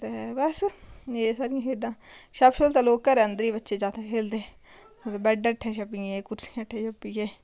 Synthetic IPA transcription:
t̪ebəseːsaɾɪ̃ãkeːɖãːʃəbʃoːlt̪ãːloːkːəɾɛːənd̪əɾiːbətːʃeːd͡ʒaːt̪eːkʰeːld̪eː | t̪ːbɛɖeʈʰːẽːʃəpːieːkʊɾsĩːʈʰːẽːʃəpːiɡeː

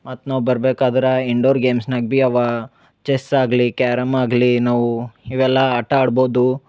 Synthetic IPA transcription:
mɐt̪naːʋubɐɾbeːkaːd̪ɐɾɐiɳɖoːɾɡeːmsnɐɡ̚biɐʋɐ | t͡ʃesaːɡlikaːɾɐmaːɡlinaːʋuiʋɛlːɐːʈːɐaːɽbo̞ːd̪u

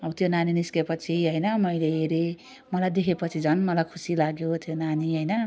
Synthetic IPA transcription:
ʌbʌt̪jonaniniskepʌt͡sʰiɦʌjnʌmʌjleɦeɾe | mʌlajd̪ekʰepʌt͡sʰid͡zʱʌnmʌlajkʰusilaɡjot̪ʰjonaniɦʌjnʌ

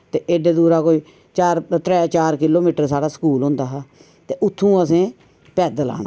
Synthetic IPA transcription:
t̪eːʔeːɖeːd̪uːɾaːkoːiː | t͡ʃaːɾt̪ɾɛːt͡ʃaːɾkɪloːmiːʈəɾsaːɽaːsə̥kuːlɦʊ̃nd̪aːɦaː | t̪eːʔʊt̪ʰːũːəsẽː | pɛːd̪əla̰ːna̰ː

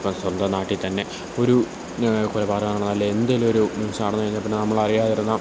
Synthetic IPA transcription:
pːɐmswɐnd̪ɐnaːʈːit̪ɐnːe̞ | o̞ɾu | kulɐbaːrɐmaːɳaɳɐnːɐlːɐend̪ɐjilo̞ɾumunsɐmaːɽɐnːɐjiɲːlpːonːenɐmːɐɭɐrijaːjirunːɐ

